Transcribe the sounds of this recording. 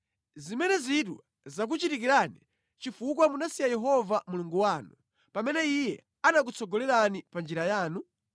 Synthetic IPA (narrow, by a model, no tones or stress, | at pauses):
zimɛnɛzit̬wa | zak̬ut͡ʃitik̬iɾanḭ | t͡ʃifuk̬wamunasijajɛɦɔvamuluŋɡuwaːnu | pamɛnɛijɛ | anak̬ut͡sʰɔɡɔlɛɾanipand͡ʒiɾajaːnu